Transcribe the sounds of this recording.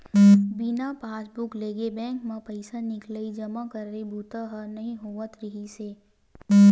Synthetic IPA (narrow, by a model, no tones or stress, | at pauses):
bɪnapaːsbʊkleːɡebɛ̃ːŋkmãpəɪsanɪkləid͡ʒəmakəɾːebʱuːt̪aɦənɐɦĩɦoʋət̪ɾɪɦiseː